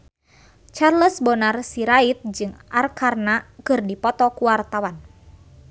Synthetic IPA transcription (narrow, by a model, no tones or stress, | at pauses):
t͡ʃarləsbɔnarsiɾait̪̚d͡ʒɨŋʔarkarnakɨrdipɔt̪ɔkuwart̪awan